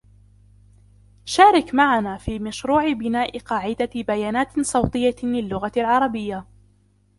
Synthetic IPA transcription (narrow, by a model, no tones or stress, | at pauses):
ʃaːɾˤɑkmaʕanaːfiːmaʃɾuːʕɪbɪnaːʔɪqɑːʕɪd̪abajaːnaːt̪sˤɑwt̪ˤɨjːalɪlːʊɣalʕɑɾˤɑbɪjːa